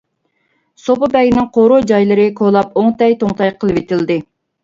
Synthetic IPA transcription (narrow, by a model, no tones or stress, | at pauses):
sopʊbɛɡʲinɪŋqʰoɾod͡ʒɑjlˠɨɾɨkʰolˠɑpoŋt̪ɛjt̪oŋt̪ɑjqʰəlˠɨwet̪ɪld̪ɪ